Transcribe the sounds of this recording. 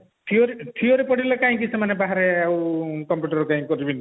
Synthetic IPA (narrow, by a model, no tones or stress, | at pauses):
ʈʰioɾiʈʰioɾipɔɽilekaĩk̬isemanebaɦaɾeawkɔmpjuʈɔɾɔkaĩkɔɾibini